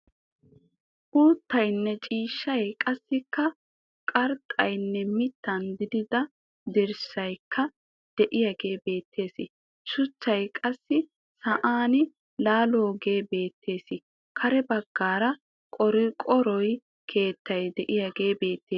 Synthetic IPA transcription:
ʔuːt̪ːɐjnːɛt͡ʃʼiːʃːɐjkʼɐsːɪkːɐ | kʼɐɾt̪ʼɐjnːɛmɪt̪ʰːɐnd̪ɪd̪ɪd̪ɐ | d̪ɪɾsɐjkʰːɐ | d̪̥ɛʔɪjaɡe̞ːbe̞ːt̪ːe̞ːsɪ | ʃʊt͡ʃːɐjkʼɐsːɪ | sɐʔaːnɪ | laːloːɡe̞ːbe̞ːt̪ʰːe̞ːsɪ | kʰɐɾɛbɐɡ̥ːaːɾɐ | kʼɔɾɪkʼɔɾɔj | kʰe̞ːt̪ːɐjd̪ɛʔɪjaɡe̞ːbe̞ːt̪ːeː

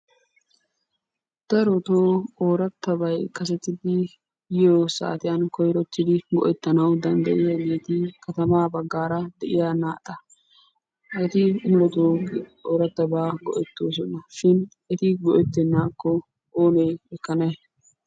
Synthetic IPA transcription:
d̪̥ɐɾɔt̪oːoːɾɐt̪ːɐbɐjkɐs̬ɛt̪ːɪd̪ɪ | jɪjoːsa̰ːt̪ɪjɐnkɔjɾɔt̪ːɪd̪ɪɡɔ̰ʔɛt̪ːɐnɐwd̪ɐnd̪ɐ̰ʔɪjɐbe̞ːt̪ɪkɐt̪ɐmaːbɐɡːaːɾɐd̪ɛʔɪjanaːt̪ʼːɐ | ʔɛt̪ɪmʊlɔt̪oːoːɾɐt̪ːɐbaːɡɔ̰ʔɛt̪ːoːs̬ɔnːɐʃɪn | ɛt̪ɪɡɔʔɛt̪ːɛnːaːkːɔ | oːneːɛkːɐnɐj

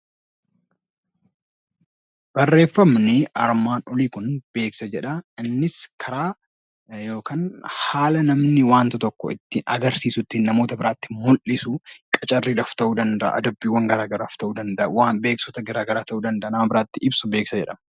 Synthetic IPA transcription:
b̥ɐrːe̞ːfːɐmnɪɐɾmaːnɔliːkʊnb̥e̞ːksɐd͡ʒɛᶑɐɪnːɪskʰɐɾaː | jo̞ːkaːnhaːlɐnɐmnɪwaːnt̪ɐt̪ɔkːɔɪt̪ːɪɐɡɐɾsiːsʊt̪ːɪnːɐmoːt̪ɐbɪɾaːt̪ːɪmʊlʔɪsʊkʼɐt͡ʃʼɐrːiːᶑɐft̪ɐʔuːd̪ɐnd̪ɐʔɐ̰ʔɐ̰d̪ɐbːiːwːɐŋɡɐɾaːɡɐɾaːft̪ɐʔuːd̪ɐnd̪ɐʔɐ̰waːbe̞ːksɔt̪ɐɡɐɾaːɡɐɾaːt̪ɐʔuːd̪ɐnd̪ɐʔːnɐmɐbɪɾaːt̪ːɪʔɪbsʊbeːksɐd͡ʒɛᶑɐmɐ

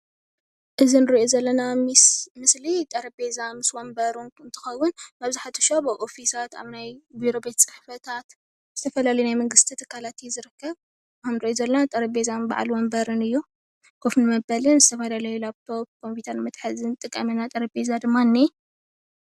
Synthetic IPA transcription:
ʔɨzinɨɾiʔozɐlːɐnamɨslit̪ʼɐɾɐbe̞zamɨswombɐɾunɨnt̪ʰɨ̥xɐwːʊnaβziħat̪ʰːɐ̥ʃobɐʔofisat̪a̰βnajbiɾo̞bet̪sʼɨ̥ħfɐt̪ʰat̪ | z̥ɨt̪ʰɐfɐlalɐjunajmɐŋɡɨst̪ʰit̪ʰɨkʰːalat̪jɛzɨɾɨkʰːɐβ | amnɨɾiʔozɐlːɐnat̪ʼɐɾɐbe̞zanba̰ʕ̰lwombɐɾɨnɨjːu | kʰofnɨmɐbɐlɨnzɨt̪ʰɐfɐlalɐjulaβtʰobkʰo̞mpʰit̪ʰɐnmɨt̪ʼħɨzɨnt̪ʼɨkʼːɐminat̪ʼɐɾɐbe̞zad̪ɨmːanːe

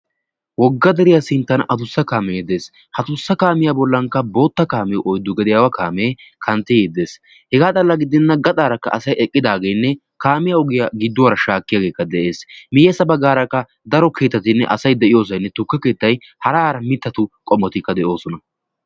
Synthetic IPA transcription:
wɔɡːɐd̪ɛɾɪjasɪnt̪ːɐnʔɐt̪ʊsːɐkaːmɛjed̪eːs | hɐt̪ʊsːɐkaːmɪjabɔlːɐŋkːɐbo̞ːt̪ːɐkaːmɛjɔʔɔjd̪ːʊɡɛd̪ɪjaːwɐkaːmeːkʰɐnt̪ːɛjed̪e̞ːs | hɛɡaːt̪ʼɐlːɐɡɪd̪ːɪnːɐɡɐt̪ʼaːɾɐkːɐ̰ʔɐsɐjɛkʼːɪd̪aːɡejnːɛ | kaːmɪjaɔɡɪjaɡɪd̪ːʊwɐɾɐʃaːkːɪjaɡe̞ːkːɐd̪ɛʔe̞ːsmɪjeːsɐbɐɡːaːɾɐkːɐ | d̪ɐɾɔkʰe̞ːt̪ːɐt̪ɪnːɛ̰ʔɐsɐjd̪ɛʔɪjo̞ːs̬ɐjnːɛt̪ʊkːɐke̞ːt̪ːɐj | hɐɾaːɾɐmɪt̪ːɐt̪ʊkʼɔmːɔt̪ɪkːɐd̪ɛʔo̞ːsɔnɐ

